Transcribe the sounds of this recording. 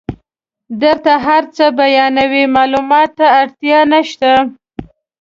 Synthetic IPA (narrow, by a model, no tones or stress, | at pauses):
d̪əɾt̪aɦaɾt͡səbajɑnawimɑlumɑt̪ːaːɽt̪jɑnaʃt̪a